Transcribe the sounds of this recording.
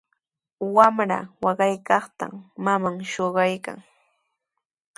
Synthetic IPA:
wamɾa̰wɑɢɑjkɑχt̪a̰mːamaŋʃoɢɑjka̰ŋ

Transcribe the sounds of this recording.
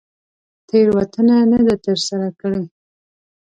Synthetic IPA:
t̪ʰeɾwat̪ənanad̪at̪əɾsaɾakəɽe

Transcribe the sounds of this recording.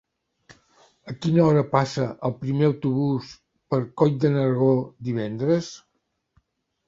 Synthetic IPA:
əkinəɔɾəpasəʔəlˠpɾimeəwt̪uβus | pəɾkɔj̚d̪ənəɾɣ̞od̪iβ̞ɛnd̪ɾəs

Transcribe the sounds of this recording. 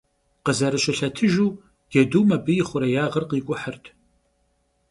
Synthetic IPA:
qəzɐɾɨɕɐɬɐtʰɨʒuː | ɡ̥ɛduːmɐbɨjɪχʷʊɾɐjaːʁərqiːkʷʼʊħərtʰ

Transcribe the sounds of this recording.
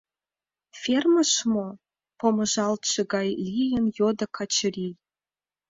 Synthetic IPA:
fʲerməʃmo | pomə̆ʒɑlt̪ʃɤ̆ɡɑjlʲijənjod̪ɤ̆kʰɑt͡ɕəɾʲi

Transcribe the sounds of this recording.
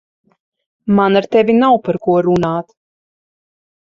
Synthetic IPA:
manaɾt̪ɛvʲinawpaɾkuɔɾunaːt̪

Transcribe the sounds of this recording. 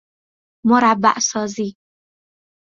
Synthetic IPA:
mʊɾˤabːa̰ʔsɔːzi

